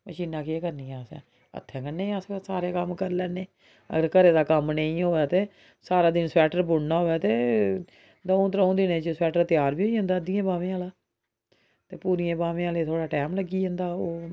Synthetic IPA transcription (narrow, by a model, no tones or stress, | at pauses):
məʃiːnːãːkeːkəɾnĩːaːsɛ̰ː | ə̰t̪ʰːɛ̃ːkənːeːaːssaːɾeːkəmkəɾlɛːneː | ə̰ɡəɾkəɾeːd̪aːkəmnə̃ĩːoːaːt̪eː | saːɾaːd̪ɪnsɛːʈəɾbʊɽnaːɦoːɛːt̪eː | d̪õːt̪ɾõːd̪ɪnẽːt͡ʃəsɛːʈəɾt̪ɪjaːɾbiːoːiɦʊ̃nd̪aːəd̪ɪãːbaːʋẽːãːlaː | t̪eːpuːɾijẽːbaːʋẽːãːleːt̪ʰoːɽaːʈɛːmləɡiːɦʊ̃nd̪aːoː